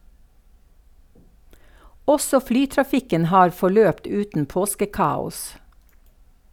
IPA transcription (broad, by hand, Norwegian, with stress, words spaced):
ˈɔsɔ ˈflyːtɾɑˌfɪkən ˈhɑːɾ fɔˈɭøːpt ˈʉːtn̩ ˈpoːskəˌkɑːʊs